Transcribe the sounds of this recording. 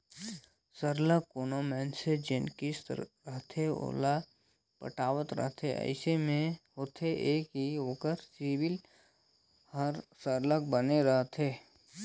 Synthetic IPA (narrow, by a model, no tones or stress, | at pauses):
səɾləkːonomɛ̃ːnsed͡ʒɪnkisɾɾəɦt̪ʰeo̰ːla | pə̰ʈaːʋət̪ɾə̰ɦt̪ʰeə̰ɪsemẽɦoːt̪ʰeʔeːkɦiokəɾsiːbɪl | həɾsəɾlək̚bəneɾəɦt̪ʰeː